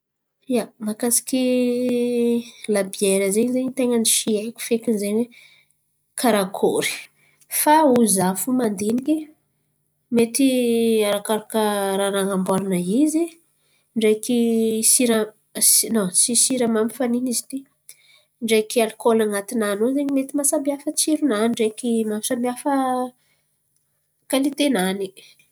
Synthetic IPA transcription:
iamakasi̥kʲi | labieɾəzeɲzeɲit̪eŋəniʃiekʲu̥fekinzeɲwe | kʰaɾakʰoɾi̥ | fauzafumand̪eniki | met̪iaɾakaɾakəɾaɾaŋambaɾanaizi | ɳɖ͡ʐejkisiɾə | sinosisiɾəmamifaninizi̥t̪i | ɳɖ͡ʐejkialikolaŋat̪inanozeɲimet̪imasambiafət͡siɾunaniɳɖ͡ʐekimamisabiafə | kalit̪enani̥

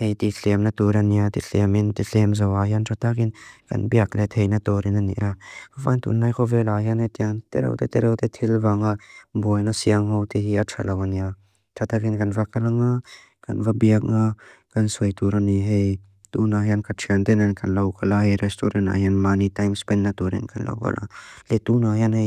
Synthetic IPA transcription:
hejt̪iɬʰɛmnɐt̪uɾaniat̪iɬɛmɪnt̪iɬʰɛmzɐwaɦiantʰat̪akɪnkɐ̰nbiak̚lɛt̪ʰejnat̪ɔɾinanḭʔɾaava̰nt̪ṵnːajkʰɔvɛlaɦianet̪iant̪ɛ̰ɾɐ̰wt̪ɛt̪ɛɾawt̪ɛt̪ʰilvaŋabɔjnasiaŋɦɔwt̪iɦiatʰa̰lawania | tʰat̪akinkɐnvakalaŋa | kɐ̰nvabiak̚ŋakɐnsuɐjt̪uɾaniɦej | t̪unaɦijankʰatʰiant̪ɛnankʰɐnlɐwkalahɛɾɛstɔɾɛna̰ɦjanmanitajmspɛnːat̪uɾɛ̰nkanla̰wka̰lʔa̰lɛt̪unahjanhej

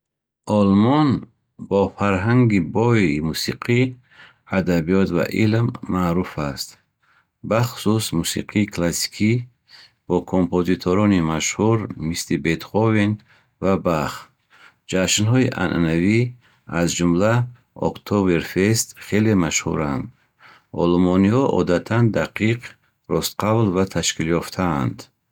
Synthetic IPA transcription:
ʔɔlmɔn | bɔfaɾɦaŋɡibɔimusiqʰi | ad̪abiɔt̪va̰ʔilmːaɾufast̪ | baχu̥susmusḭqʰiːkʰlasi̥kʰi | b̥ɔkʰompozit̪ʰoɾɔnimaʃhuɾmislibet̪χɔvin | vabaχ | d͡ʒaʃnhɔiʔa̰nʔa̰navi | azd͡ʒumla | ɔ̰kt̪ʰɔbeɾfest̪χe̞lemaʃhṵɾand̪ | ɔ̰lmɔnihɔʔɔ̰d̪at̪ʰand̪aqʰiq | ɾɔst̪qʰavlvat̪ʰaʃkiljɔft̪ʰa̰ːnd̪

